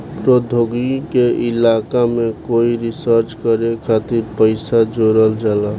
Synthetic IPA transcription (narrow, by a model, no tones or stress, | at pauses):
pɾod̪ʱoɡikeʔɪlakamekoiɾisəɾt͡ʃkəɾekʰat̪iɾpəɪsad͡ʒoɾəld͡ʒala